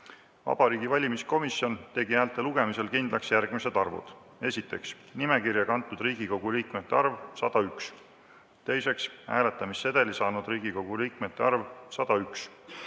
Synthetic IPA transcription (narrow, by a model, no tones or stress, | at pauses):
vɑ̰b̥ɑɾiːɡ̥ivɑlʲimisko̞misjo̞nt̪e̞ɡiæːlt̪ːˑe̞luɡ̥e̞mise̞lkind̪lɑksjærɡ̥mise̞d̪̥ɑrvṵd̪̥ | e̞sʲit̪ːˑe̞ks | nime̞kirjɑkɑnt̪ːˑud̪riːɡ̥iko̞ɡ̥uliːkme̞t̪ːˑeɑrvsɑd̪̥ɑyks | t̪e̞jse̞ksæːle̞t̪ːˑɑmisːe̞d̪̥e̞lisɑːnud̪ɾiːɡ̥iko̞ɡ̥uliːkmet̪ːˑe̞ɑrvsɑd̪̥ɑyks